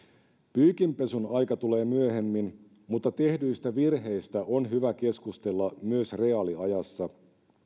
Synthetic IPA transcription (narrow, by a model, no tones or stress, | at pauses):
pyːkimpe̞sunɑjkɑt̪ule̞ːmyøɦemːin | mut̪ːɑt̪e̞hdyist̪æʋirɦe̞jst̪æʔonɦyʋæke̞skust̪e̞lːɑmyøsre̞ɑliɑjɑsːɑ